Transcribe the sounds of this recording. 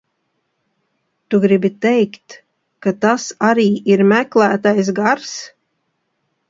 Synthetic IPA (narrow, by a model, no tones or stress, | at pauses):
t̪uɡɾibit̪ɛjkt̪ | kat̪asaɾiːiɾmæklˠæːt̪ajs̬ɡaɾs